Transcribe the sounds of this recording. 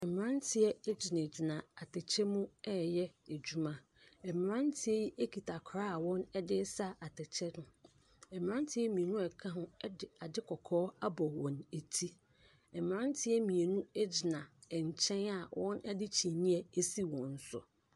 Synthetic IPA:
ɛ˨m˨ɾã˦ntʰɪ˦ɛ˦d͡ʑɪ˨nã˨d͡ʑɪ˨nã˨a˨tʰɛ˨t͡ɕʰɛ˦mũ˦ɛ˦˨jɛ˦e˨d͡ʑu˦mã˦ | ɛ˨m˨ɾã˦ntʰɪ˦ɛ˦ji˦ʔe˦kʰi˨tʰa˨kʰa˦a˨wɔ̃˦nɛ˦dɪ˦sa˦a˨tʰɛ˨t͡ɕʰɛ˦nʊ̃˨ | ɛ˨m˨ɾã˦n˦tʰɪ˦ɛ˦mĩ˨e˨nũ˦ɛ˨kʰã˦ɦʊ̃˦ɛ˦dɪ˨a˨dɪ˦kʰɔ˨kʰɔː˦a˦bɔ˨wɔ̃˨ne˨tʰi˦ | ɛ˨m˨ɾã˦ntʰɪ˦ɛ˦mĩ˨e˨nũ˦ɛ˦d͡ʑɪ˨nã˨ɛ˨ɲ̩˨t͡ɕʰɛ̃˦na˨wʔɔ̃˦nɛ˦dɪ˦t͡ɕʰi˨nĩ˦ɛ˨e˦si˦wɔ̃˨n̩˦sʊ̰˨

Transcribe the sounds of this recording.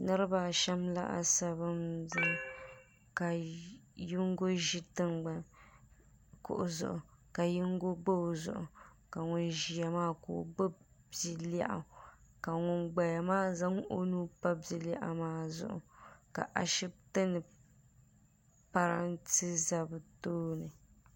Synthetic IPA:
nɨ˦ɾɨ˦baː˨ʃɛ˦mla̰˦ʔa̰˨sa˨βɨ˦mza˦ŋ | ka˨ji˦ŋ˦ɡo˦ʒi˦tɨ˦ŋɡ͡ba˨n | kʊ̰˨ʔʊ˨zʊ̰˨ʔʊ˨ka˨ji˦ŋ˦ɡo˦ɡ͡bo˦˨zʊ̰˨ʔʊ̰˨ | ka˨ŋʊ˦nʒi˨a˨maː˦kʊ̰˨ɡ͡bo˦ | bi˦la̰˦˨ʔa̰˨ka˨ŋʊ˦nɡ͡ba˨ja˨maː˦za˦ŋ˦ʔo˦nuː˦pa˦bi˦la˦˨ʔa̰˨maː˦zʊ̰˨ʔʊ̰˨ka̰˨ʔa˨ʃi˦b̚tɨ˦nɨ˨ | pa˨ɾa˦ntɨ˦za˦bɨ˨toː˦nɨ˨

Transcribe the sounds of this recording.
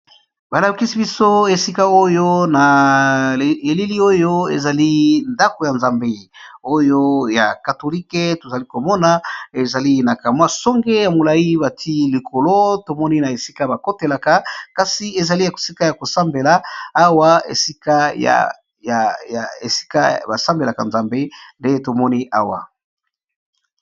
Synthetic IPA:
ba˨la˨˦ki˦si˦bi˦so˦e˨si˦ka˦o˦jo˦na˨ | e˨li˦li˦o˦jo˦ḛ˨za˨li˦nda˦ko˨ja˨nza˨mbe˦o˦jo˦ja̰˨ka˨to˨li˦ke˦to˨za˨li˦ko˨mɔ˦na˦e˨za˨li˦na˨ka˨mwa˦sɔ˦ŋɡe˦ja˨mo˨la˨i˦ba˨tʰi˦li˨kʰo˨lo˦to˨mɔ˦ni˦na˨e˨si̥˦ka˦ba˨ko˦te˨la˨ka˦ka˨si˨e˨za˨li˦ja˨ko̥˨si˦ka˦ja˨ko˨sa˦mbe˨laː˨˦wa˦ḛ˨si˦ka˦ja̰ | ja˨jḛ˨si̥˦ka̰˦ba˨sa˦mbe˨la˨ka˨nza˨mbe˦nde˦to˨mɔ˦ni˦ʔa̰˦wa̰˨

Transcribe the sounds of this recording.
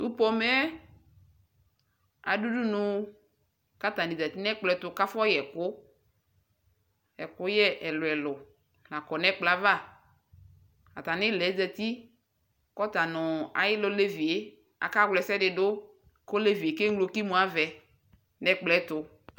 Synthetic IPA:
u˦pɔ˦mɛ˦ | a̰˨du˦du˦nʊ˨ | ka˦t̪a˨ni˨zɛ˨t̪i˦nɛ˦k͡plɛ˦t̪ʊ˨ka˦fɔ˦jɛ˨kʊ˦ | ɛ˨kʊ˦jɛ˦ʔɛ˨lʊ˨ɛ˨lʊ˨ | la˨kɔ˨nɛ˦k͡pla˦va˦˨ | a̰˨t̪a˨nɪ˦˨lɛ˨˦zɛ˨t̪i˦ | kɔ˦t̪a˨nʊ˨a̰˨jɪ˦lʊ˦le˦vi˨e˦ | a̰˨ka˦ɡlɛ˨sɛ˦dɪ˨dʊ˦ | ko˦le˦vi˨e˨ke˦ŋ˦lo˨˦ki˦mũ˨a˦vɛ˨ | nɛ˦k͡plɛ˦t̪ʊ˨

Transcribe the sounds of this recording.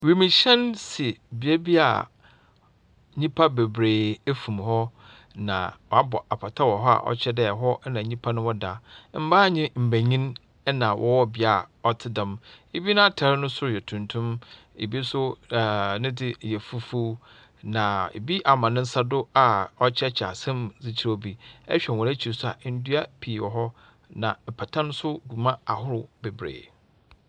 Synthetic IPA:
wi˨mĩ˨ɕɛ̃˦nsi˨bi˨e˦bi˦a̰˨ | ɲĩ˦pʰa˦be˨bɾeː˨e˦fũ˨mhɔ˦ | nã̰˨wɔ˨a˦bɔ˨a˨pʰa˨tʰa˦wɔ˨ɦɔ˦a̰˨ʔɔ̰˦t͡ɕʰɛ˦dɛ˦˨ɦɔ˦ɛ˦nã˨ɲĩ˦pʰa˦nʊ̃˦wɔ˦da˨m̩˦ba˦˨ɲɪ̃˦m̩˨bæ˨ɲĩ˦n | ɛ˦nã˨wʔɔ̰˦wɔ˦bɪ˦a˨ɔ˨tʰɪ˦dã˨me˨bi˦nʊ̃˦a˦tʰa˨ɾɪ˦nʊ̃˦sʊ˦˨jɛ˨tʰũ˨ntʰũ˦m | e˨bi˦sʊ˦˨ | nɪ̃˦dɪ˦˨jɛ˨fu˦fu˦ | nã˨ḛ˨bi˦ʔa˨mã˨nɪ̃˦n̩˦sa˦dʊ˦a˨ɔ˦t͡ɕʰɛ˦t͡ɕʰa̰˨sã˦mzi˨t͡ɕʰi˨ɾo˦˨bi˦ɛ̰˦ɕᶣɛ˨wɔ̃˨æ˦t͡ɕʰi˨sʊ˦a̰˨ʔn̩˦du˦a˦pʰiː˨wɔ˨ɦɔ˦ | nã˨ɛ˨pʰa˨tʰã˦ñ˦sʊ˦ɡu˨mã˦a˨ɦʊ˦ɾʊ˦be˨bɾḛː˨

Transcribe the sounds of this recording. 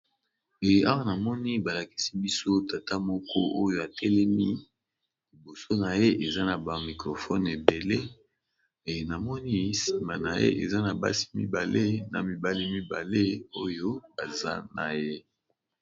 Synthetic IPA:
e˨a˦wa˦na˨mɔ˦ni˦ba˨la˨ki̥˦si˦bi˦so˦ta˨ta˦mɔ˦kɔ˦ʔo˦jo˦a˨tʰɛ˦lɛ˦mi˦ | li˨bo˨so˦na˨je˦ʔe˨za˦na˨ba˨mi˨kʁo˨fɔ˦ne˨be˨le˦ | e˨na˨mɔ˦ni˦si˨ma˨na˨jḛ˦ʔe˨za˦na˨ba̰˦si̥˦mḭ˦ba˨le˦na˨mi˨ba˦li˦mi˦ba˨le˦o˦jo˦ba˨za̰˦na̰˨je˦

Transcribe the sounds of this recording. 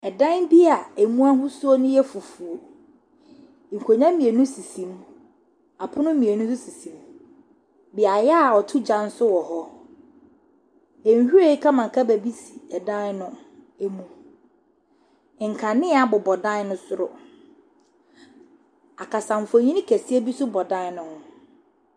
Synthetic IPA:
ɛ˨dã˦nbi˦a˨e˨mũ˦a˦ɦʊ̃˦su˦o˦nʊ̃˦jɛ˦fu˨fu˨o˨ | ŋ̩˨kʰo˨ɲã˦mĩ˨e˨nʊ̃˦si˨sĩ˨m | a˨pʰʊ˦nʊ̃˦mĩ˨e˨nʊ̃˦sʊ˦si˨sĩ˨m | bi˨a˨jɛ˦a˨ɔ˨tʰʊ˦d͡ʑã˦n̩˦sʊ˦wɔ˨hɔ˦ | ɛ˨ɲ˨hu˦ɾe˦i˦kʰã˦mã˨kʰa˦bæ˨bi˦si˨ɛ˨dã˦nʊ̃˦ | e˦mũ˦˨ | ŋ̩˨kʰã˨nɪ̃˦a˨bʊ˨bɔ˨dã˦nʊ̃˦sʊ˦ɾʊ˨ | a˨kʰa˨sã˨ɱ˨fo˨ɲĩ˦nĩ˦kʰæ˨si˦e˦bi˦sʊ˦bɔ˨dã˦n˦nʊ̃˨hʊ̃˦

